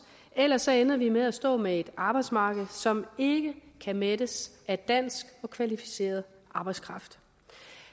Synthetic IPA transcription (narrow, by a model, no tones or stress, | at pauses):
elɐsːɒ̽enɐʋimeðˠæsd̥ɔ̰̽ːmee̝d̥ɑ̈b̥ɑ̈ɪd̥smɑ̈ːɡ̥əð̞̩ˠsɒ̽me̝ɡ̥əkʰæmed̥əs | æd̥æn̰sɡ̥ɒ̽kʰʋælifi̥se̝̰ːɐð̞ˠ | ʔɑ̈ːb̥ɑɪskʰʁɑ̈fd̥